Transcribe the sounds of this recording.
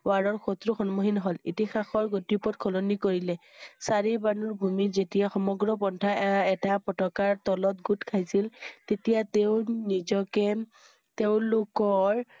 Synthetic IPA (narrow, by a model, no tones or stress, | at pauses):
waɹɔɹxotɹuxɔnmoɦinɦɔlḭtixaxɔɹɡotipɔt̚kʰɔlonikoɹilɛsaɹibanuɹbʱumizetijaxɔmɔɡɹɔpɔntʰaɛtapɔtɔkaɹtɔlɔt̚ɡutkʰajsiltetijateʊnizɔkɛ | teʊ̃lokɔɹ